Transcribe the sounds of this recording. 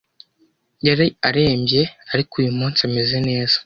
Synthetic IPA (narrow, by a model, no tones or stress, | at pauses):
jaɾeaɾe̞ːmbje̞aɾikujumuːnt͡sameze̞ne̞ːz̥ḁ